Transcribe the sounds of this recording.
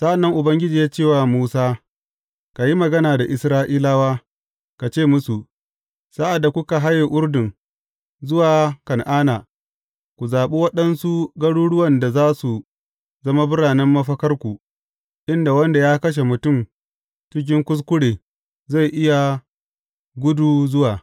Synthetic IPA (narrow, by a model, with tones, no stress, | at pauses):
sa˦ʔa˨nːɐ˦ŋʔʊ˨bɐ˦ŋɡʲɪ˦d͡ʒiː˨jaː˦t͡ʃeː˦˨wa˨muː˦saː˦ | ka˨ji˦mɐ˨ɡɐ˦naː˨da˨ʔɪ˨sɾaː˦ʔiː˦la˦waː˦ | ka˨t͡ʃeː˦˨mʊ˦su˨ | sa˦ʔa˨dːa˨kʷʊ˦ka˨ɦa˦je˨ʔʊ˦ɾdɪ˨ŋ | zʊ˦waː˨kɐ˨nʔaː˦na˨ | kʷu˨zaː˨ɓu˦wɐ˦ɗɐ˦nsu˦ɡɐ˦ɽuː˦ɽʊ˦wɐ˨nda˨zaː˦su˨ | zɐ˦ma˦bʊ˦ɽaː˨nɐ˦mːɐ˦ɸɐ˦kɐ˦rkʷu˨ | ʔɪ˦nda˨wɐ˦nda˨jaː˦kɐ˦ʃ̬e˨mʊ˨tʊ˦˨m | t͡ʃɪ˦k̬ʲɪ˦ŋkʷʊ˦s̬kʷʊ˦ɽeː˨ | za˦˨jʔɪ˦ja˨ | ɡʷʊ˦duː˨zʊ˦waː˨